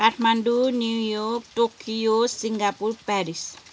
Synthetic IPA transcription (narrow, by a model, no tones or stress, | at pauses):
atmandunijɔk̚tokiosiŋɡapurpaɾis